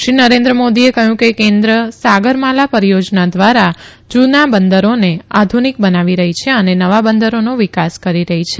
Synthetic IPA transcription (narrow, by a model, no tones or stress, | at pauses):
ʃinəɾẽnd̪ɾəmod̪iekəɦjũkekẽnd̪ɾəsaɡəɾmalapəɾijod͡ʒnad̪ʋaɾa | d͡ʒunabənd̪əɾonead̪ʱunik̚bənaʋiɾəɦit͡ʃʰeənenəʋabənd̪əɾonoʋikaskəɾiɾəɦit͡ʃʰe